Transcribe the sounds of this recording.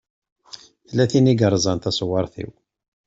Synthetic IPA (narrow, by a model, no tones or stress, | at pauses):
θəlːæθiniɡəɾˤzˤɑnt̪æsˤwɑɾˤθḭw